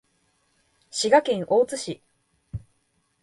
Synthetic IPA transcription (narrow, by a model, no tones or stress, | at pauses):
ɕiɡakẽɰ̃ʔoːt͡sɨɕi